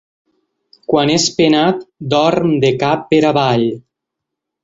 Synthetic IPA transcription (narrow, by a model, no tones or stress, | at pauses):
kwanespenat̪d̪ɔɾmd̪ekapːeɾaβaʎ